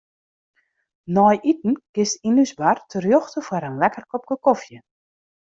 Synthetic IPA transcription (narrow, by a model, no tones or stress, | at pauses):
nɔjʔit̚n̩kɪstinysbartʰərjoxtəfwaɾənlɛkərkɔp̚kəkɔfjə